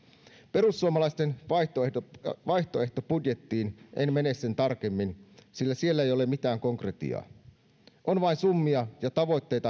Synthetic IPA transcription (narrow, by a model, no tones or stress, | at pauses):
pe̞rusːuomɑlɑist̪enʋɑt̪oedoʋɑjçt̪o̞e̞ht̪o̞pudje̞t̪ːiːnʔenmenessent̪ɑrk̟emːinsilːæsie̞lːæejo̞lemit̪æːŋkoŋkret̪ḭɑ̰ː | ʔonʋɑinsumːiɑjɑt̪ɑʋo̞jt̪ːe̞jt̪ɑ